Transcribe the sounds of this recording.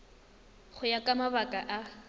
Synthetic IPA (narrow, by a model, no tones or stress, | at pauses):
χʊjakʼamaβakʼaʔa